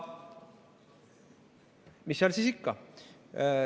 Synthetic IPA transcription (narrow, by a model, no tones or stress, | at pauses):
misːolʲsisikːɑ